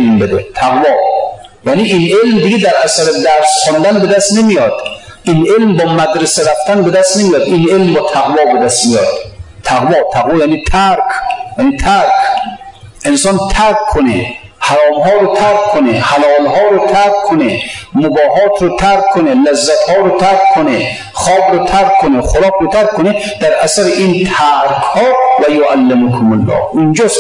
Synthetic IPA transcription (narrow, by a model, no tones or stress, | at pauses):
lmbed̪et̪ʰæɣvɒː | janiʔinʔelmd̪iɡed̪æɾʔæsæɾed̪æɾsχɔnd̪ænbed̪æst̪nemijɒd̪̥ | ʔinʔelmbɒːmæd̪ɾeseɾæft̪ænbed̪æst̪nemijɒd̪ʔinʔelmbɒːt̪ʰæɣvɒːbed̪æst̪mijɒ̰ːd̪̥t̪ʰæɣvɒːt̪ʰæɣvɒːjaːniːt̪ʰæɾkʰjaniːt̪ʰæɾkʰ | ʔensɒnt̪ʰæɾkʰːonḛ | haɾɒːmhɒːɾot̪ʰæɾkkʰːonehalɒːlɦɒːɾot̪ʰæɾkkʰːonemobɒːɦɒːt̪ʰɾot̪ʰæɾkʰːonelazːæt̪hɒːɾot̪ʰæɾkʰːone | χɒːbɾot̪ʰæɾkkːoneχoɾɒːkɾot̪ʰaɾkʰːone | d̪̥æɾʔæsæɾeʔint̪ʰæɾkʰhɒːvæjoʔalːemʊkʰʊmʊlːɒ̰ːhind͡ʒɔːs